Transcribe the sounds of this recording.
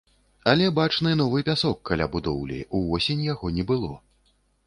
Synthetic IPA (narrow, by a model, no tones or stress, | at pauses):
alʲɛbat͡ʂnɨn̪ɔvɨpʲasɔkːalʲa̰bud̪ɔwlʲḭuvɔsʲenʲjaɣɔnʲɛbɨlˠɔ